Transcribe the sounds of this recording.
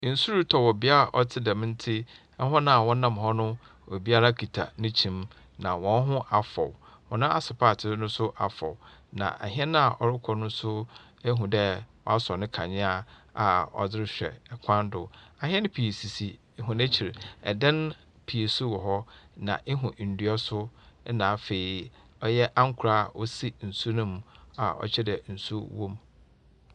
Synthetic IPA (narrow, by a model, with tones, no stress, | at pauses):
n̩˨su˦ɾu˦tʰɔ˨wɔ˨bi˦a˦ɾa˨ʔɔ˦tʰɪ˦dɛ˨mɪ̃˦n̩˦tʰɪ˦ | ɛ˦ɦɔ̃˦nã˦a˨wɔ̃˦nã˦˨mɦɔ˦nʊ̃˦ | wɔ˨bi˦a˦ɾa˦kʰi˨tʰa̰˨nʊ̃˦t͡ɕʰĩ˨m | nã˨wɔ̃˨n˦ɦʊ̃˦ʔa˨fɔ̰˨w | wɔ̃˨nʊ̃˦a˨sɪ˨pʰa˦˨tʰɪ˦nʊ̃˦sʊ˦ʔa˨fɔ̰˨wnã̰˨ʔa̰˨ɦi˦ɛ˦nã˦a˨ʔɔ˨ɾɪ˦kʰɔ˨nʊ̃˦sʊ˦ | æ˦ɦũ˨dɛ˦wɔ̰˨a˦sɔ˨nɪ̃˦kʰã̰˨ɲɪ̃˦a˨a˨ɔ̰˨d͡zɪ˦ɾɪ˦ɕᶣɛ̰˨kʰã˦n˦dʊ˨a˨ɦɛ̃˦ñ˦pʰi˨e˨si˨si˨˦˨ | ɦʊ̃˨næ˦t͡ɕʰi˨ɾɛ̰˨dã˦n | pʰi˨e˨su˦wɔ˨ɦɔ˦nã̰˨ʔɪ˦ɦũ˨ʔn̩˨du˨ɔ˦sʊ˦nãː˨fe˨i˨ | ɔ˦jɛ˦ʔa˦ŋ̩˦kʷʰʊ˨ɾa˦˨wɔ˦si˦n̩˨su˦nʊ̃˦m˦a˨ɔ̰˨t͡ɕʰɛ˦dɛ˨n̩˨su˦wõ˦m